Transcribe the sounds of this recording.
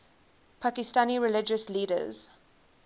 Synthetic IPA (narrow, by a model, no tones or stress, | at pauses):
pʰakɪstaniɹɪlɪd͡ʒəsliːdə̰z̥